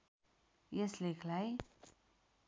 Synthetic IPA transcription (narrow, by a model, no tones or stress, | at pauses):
jeslekʰlaj